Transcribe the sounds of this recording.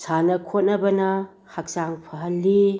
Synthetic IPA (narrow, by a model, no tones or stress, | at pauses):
sanɐkʰot̚nɐbɐnɐ | hak̚saŋpʰɐɦɐlːi